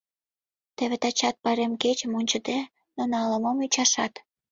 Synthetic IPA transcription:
t̪ĕβet̪ɑt͡ɕɑt̪̚pɑɾemket͡ɕəmonʲt͡ɕə̆d̪e | nonɑləməmyt͡ɕɑʃɑt̪

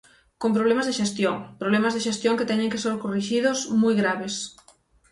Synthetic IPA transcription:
kompɾoβlemazðeʃest̪joŋpɾoβ̞lemazðeʃest̪joŋket̪ɛɲẽŋkeseɾkoriʃiðʊsmujɣɾaβes

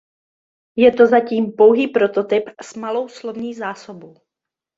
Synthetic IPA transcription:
jɛt̪o̞zaciːmpo̞wɦiːpɾo̞t̪o̞t̪ɪpsmalo̞wslovɲiːzaːsobow

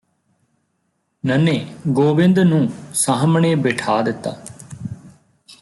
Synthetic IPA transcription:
nəneːɡoːʋɪ̃nd̪nũːsaɦəmɳeːbeːʈʰaːd̪ɪt̪ːa̰ː

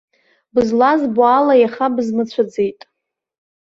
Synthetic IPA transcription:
bɨzlazbualajaχabznɨt͡ɕʷʰad͡zejtʼ

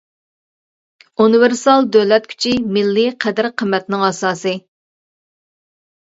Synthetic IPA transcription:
unɨvɪɾsɑlˠd̪ølɛt̪̚kʲʰy̥t͡ʃʰimɪlːɪqʰɛd̪ɪɾqʰəmːɛt̪nɪŋɑsɑːsɨ

